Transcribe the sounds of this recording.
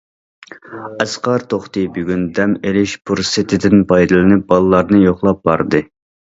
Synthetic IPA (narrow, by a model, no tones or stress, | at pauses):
ɛsqɑɾt̪ʰoχt̪ɨbyɡʲynd̪ɛmelɪʃpʰuɾsɪt̪ʰɪd̪ɪnpʰɑjd̪ɨlˠɨnɪp̚bɑlˠɨlˠɑɾnɨjoχlˠɑp̚bɑɾd̪ɨ